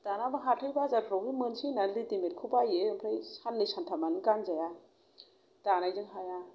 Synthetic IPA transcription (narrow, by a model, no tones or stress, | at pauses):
d̥anamaɦatʰɯjbazatɾɔwimɯnsinallitimet̚kʰubajeɯmpʰɾajsanlɯjsantʰamanɯkanzaja | danajzɯŋɦaja